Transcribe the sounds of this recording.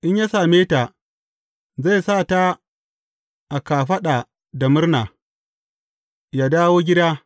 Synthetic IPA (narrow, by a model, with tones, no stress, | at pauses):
ʔɪ˦ɲja˦saː˨meː˦ta˨ | za˦˨jsaː˦˨ta˦ | ʔa˨kaː˨ɸɐ˦ɗa˨ | da˨mʊ˦rnaː˨ | ja˦daː˦woː˦ɡʲɪ˦daː˦